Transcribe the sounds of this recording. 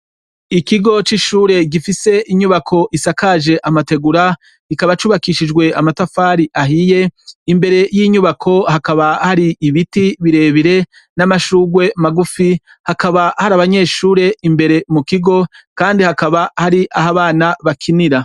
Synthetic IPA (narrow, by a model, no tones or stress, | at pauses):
ikiɡo̞t͡ʃiʃuːɾe̞ɡifise̞ʔiɲuβakʰo̞ʔisakaʒe̞ʔamate̞ɡuɾa | ikaβat͡ʃuβakiʃid͡ʒɡwe̞amatafaːɾiʔaɦije̞imbe̞ɾe̞jiɲuβakʰo̞hakaβahaɾiːβitiβiɾe̞ːβiɾe̞ | namaʃuːɡwe̞maɡufi | hakaβahaɾaβaɲe̞ːʃuːɾe̞ʔimbe̞ɾe̞mukiɡo̞kaːndihakaβahaɾiʔaɦaβaːnaβakʰiniɾa